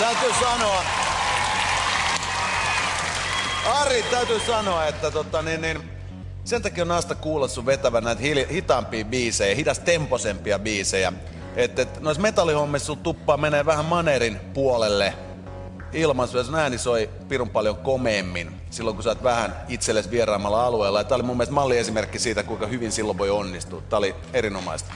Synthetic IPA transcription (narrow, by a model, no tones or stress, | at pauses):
t̪æyt̪yːsɑnoɑ | ɑrit̪æyt̪yːsɑnoɑet̪ːæt̪ot̪ɑninnin | sent̪ɑkiːonɑst̪ɑkuːlesːuʋʋet̪æʋænæˑit̪hilhit̪ɑmpiːʋiːseiɑhit̪ɑst̪emposempiɑʋiːsejæ̰ | et̪ːet̪noismet̪ɑlːˑihomːessult̪upːɑːmeneːʋæhæmmɑnerinpuolelːe | ilmɑnsuɑsnæinisoi | pirumpɑljoŋkomeːmːin | silːoŋkusɑˑt̪ʋæhæn | it̪selːesʋierɑːmɑlːɑɑlueːlːɑjɑt̪æːolimumːilst̪mɑlːiesimerkːisiːt̪ækuikɑhyʋinsilːoʋʋoionːist̪ṵːt̪t̪æːoli | erinomɑ̰ist̪